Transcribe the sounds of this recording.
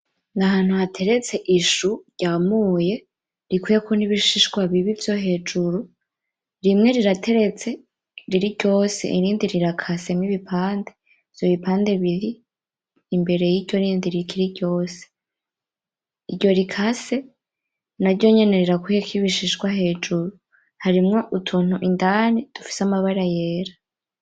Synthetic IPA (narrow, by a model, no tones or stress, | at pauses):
ŋɡaɦaːn̥huhatʰe̞ɾe̞t͡se̞ʔiʃuɾɟ̥aːmuːje̞ | ɾikwuːjekʰoniβiʃiʃɡwaβiβivjo̞ɦe̞ːd͡ʒuɾu | ɾimŋe̞ɾiɾatʰe̞ɾe̞t͡se̞ | ɾiɾiɾɟo̞ːsḛʔiɾiːndiɾiɾakʰase̞miβipʰaːnde | vj̥oβipaːnde̞βiβiː | mbe̞ɾe̞jiɾɟo̞ɾiːndiɾikʰiɾiɟo̞ːse̥ | iɟo̞ɾikʰase̞ | naɾɟo̞ɲe̞ne̞ɾiɾakuhekʰiβiʃiʃɡwaɦe̞ːd͡ʒuɾu | haɾimŋo̞ʔutʰuːn̥huʔindaːnid̥ufi̥samaβaɾaje̞ːɾa